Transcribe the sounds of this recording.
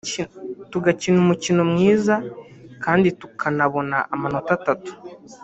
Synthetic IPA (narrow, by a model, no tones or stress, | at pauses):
tuɡacinumucinomŋiːzakaːnditukʰanaβo̞na̰ʔamano̞tatatu̥